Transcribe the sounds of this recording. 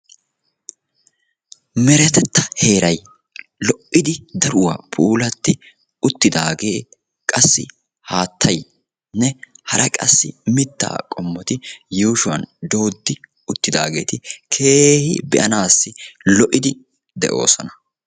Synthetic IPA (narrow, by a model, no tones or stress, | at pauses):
mɛɾɛt̪ɛt̪ːɐhe̞ːɾɐj | lɔʔːɪd̪ɪd̪ɐɾʊwa̰ːpʰuːlɐt̪ːɪ | ʊt̪ːɪd̪aːɡe̞ː | kʼɐsːɪ̰ | haːt̪ʰːɐj | nɛhɐɾɐkʼɐsːɪ̰mɪt̪ːa̰ːkʼɔmːɔt̪ɪjuːʃʊwɐ̰nd̪o̞ːd̪ːɪ | ʊt̪ːɪd̪a̰ːɡe̞̰ːt̪ɪkʰeːhɪ̰bɛʔɐnaːsːɪlɔʔɪd̪ɪ | d̪ɛʔo̞̰ːsɔnɐ̥